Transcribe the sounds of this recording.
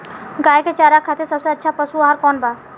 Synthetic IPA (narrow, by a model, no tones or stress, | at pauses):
ɡaːjket͡ʃaːɾakʰat̪esəbseɐtːʃʰapəsuaɦəɾkɔːnbaː